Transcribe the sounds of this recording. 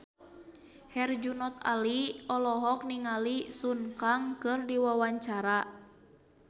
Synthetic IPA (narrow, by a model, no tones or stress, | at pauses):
hɛrd͡ʒunɔt̪a̰liɔlɔɦɔk̚niŋalisunkaŋkɨrdiwawaɲt͡ʃaɾa